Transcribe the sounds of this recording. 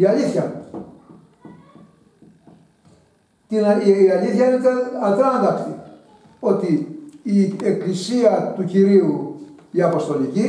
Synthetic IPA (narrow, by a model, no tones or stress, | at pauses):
iɐliθçɐ | t̪inɐliθçɐinet̪eɐd̪ɾɐɐnd̪ɐksi | o̞t̪iː | eklisiɐt̪uciɾiuiɐpo̞st̪o̞lici